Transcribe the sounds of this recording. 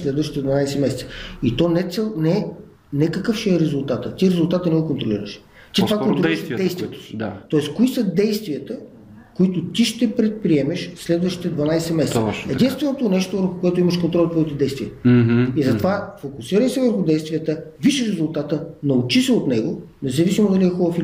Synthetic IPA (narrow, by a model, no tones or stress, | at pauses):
slɛd̪vɐʃt̪it̪ɛd̪vɐnajsɛmɛsɛt̪sə̥it̪ɔnɛt̪sɛnɛ | nɛkɐkɤfʃɛɛɾɛzʊlˠt̪at̪ət̪iɾɛzʊlˠt̪at̪ənɛɡokont̪ɾolḭɾə̰ʃ | t͡ʃ̪it̪ovakkont̪ɾliɾsd̪ɛjsviət̪o̥si̥d̪at̪ɔɛskoisəd̪ɛjst̪viət̪ə | koit̪ʊt̪iʃt̪ɛpɾɛt̪̚pɾiɛmɛʃslɛd̪vəʃt̪i̥t̪ɛd̪vɐnajsɛmɛst̪ɛd̪inst̪vɛnot̪onɛʃt̪ovəɾxʊkoɛt̪oimɐʃkont̪ɾɔlʲˠt̪ɔt̪id̪ɛjst̪vʲiəizɐt̪ovafokʊsiɾəʃsɛvəɾxʊd̪ɛjst̪vijət̪əviʃɛɾɛzʊlˠt̪at̪ənɐut͡ʃisɛot̪nɛɡo | nɛzɐvisimod̪ɐliɛxɔɾəfil